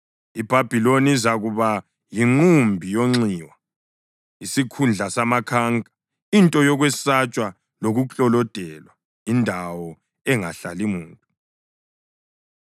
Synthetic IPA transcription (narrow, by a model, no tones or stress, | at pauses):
ib̥ʱab̥ʱilonizaɣuβa | jiŋ͡ǃumbʱijoŋ͡ǀiwa | isikʰund͡ɮʱasamakʰaŋkʼḁ | intʼɔjɔɣwɛsat͡ʃʼwa | loɣut͡ɬʼɔlɔd̥ʱɛlwa | indʱawɔ | ɛŋa̰ɬalimuːntʼu